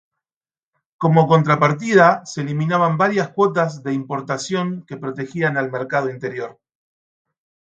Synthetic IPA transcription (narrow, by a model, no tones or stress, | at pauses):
ko̞mo̞ko̞nt̪ɾapaɾt̪ið̞aseːliminaβambaɾjaskwo̞t̪̬azðe̞impo̞ɾt̪asjo̞ŋke̞pɾo̞t̪e̞xianalmeɾkað̞o̞int̪eɾjo̞ɾ